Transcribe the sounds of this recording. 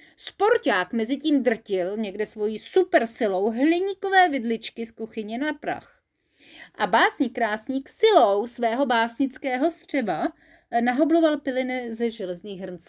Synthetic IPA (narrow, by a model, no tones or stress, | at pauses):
spo̞ɾcaːkmɛzɪciːmd̪r̩cɪlɲɛɡdɛsvo̞jiːsupɛɾsɪlo̞wɦlɪɲiːko̞vɛːvɪdlɪt͡ʃkɪskuxɪɲɛnapɾa̰x | ʔabaːsɲiːkɾaːsɲiːksɪlowsvɛːɦo̞baːsɲɪt͡skɛːɦo̞st̪r̝̥ɛba | naɦo̞blovalpɪlɪnɪzɛʒɛlɛzɲiːxɦr̩nt͡s